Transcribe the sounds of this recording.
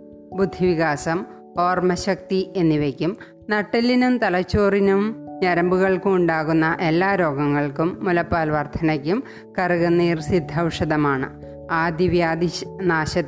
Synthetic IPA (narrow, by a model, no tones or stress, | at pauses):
bud̪ʱːiʋiɣaːsɐm | o̞ːrmɐɕɐk̚t̪ie̞nːiʋekʲːum | nɐʈːilːinumt̪ɐlɐt͡ɕːoːrinumɲɐɾɐmbuɣɐɭkuuɳɖaːɣunːɐʔe̞lːaːɾo̞ːɡɐŋːɐɭkumːulɐpːaːlʋɐrt̪ʰɐnɐkʲːum | kɐrɨɣɐnːiːrsid̪ʱːɐʋʂɐðɐmaːɳɨ̰ | aːd̪iʋjaːd̪inaːɕɐt̪ː